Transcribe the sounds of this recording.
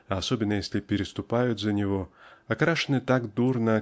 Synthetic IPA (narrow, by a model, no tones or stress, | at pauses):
ɐɐsobʲɪnːəjesʲlʲɪpʲɪɾʲɪst̪ʊpajʊt̪ʲzɐnʲɪvoɐkɾaʂɨnɨt̪aɡd̪urnɐ